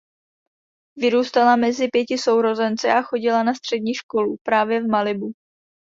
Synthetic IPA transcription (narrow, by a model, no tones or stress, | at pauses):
vɪɾuːst̪alamɛzɪpjɛcɪso̞wɾo̞zɛnt͡sɛʔaxo̞ɟɪlanast̪r̝̥ɛdɲiːʃko̞lupɾaːvjɛvmalɪbu